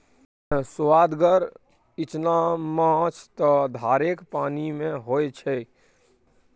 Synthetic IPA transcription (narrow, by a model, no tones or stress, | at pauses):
sʊwaːd̪ɡəɾ | ɪt͡ʃnamãt͡ʃʰt̪ɔd̪ʱaːɾekpaːnimẽɦojt͡ʃʰɛ